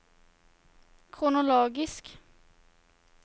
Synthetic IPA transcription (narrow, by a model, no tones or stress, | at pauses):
kʰɾʊnʊloːɡɪsk